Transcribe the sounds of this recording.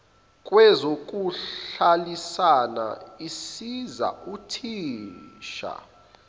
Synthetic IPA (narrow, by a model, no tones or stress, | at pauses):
kʼwɛzok̬ʼualisana̰isiza̰utʰiːʃa̰